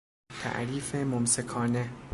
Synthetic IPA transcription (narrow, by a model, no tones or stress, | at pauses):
t̪ʰæ̰ʔɾiːfemomsekʰɒːne